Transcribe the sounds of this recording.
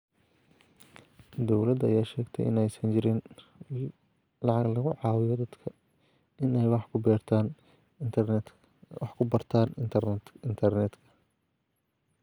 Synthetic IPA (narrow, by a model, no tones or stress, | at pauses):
d̪ɔwlɐd̪ɐjaːʃɛːɡt̪ʰɛ̰jʔɪ̰nɛjsɐnt͡ʃɪɾɪn | lɑʕɑɡlɐɣʊʕɑːwɪjɔd̪ɐd̪kʰɐ | ɪnɛjwɑħkʰʊbɛːrt̪ʰaːn | ɑħkʰʊbɐrt̪ʰaːn | ɪnt̪ʰɐrnɛd̪kʰɐ̥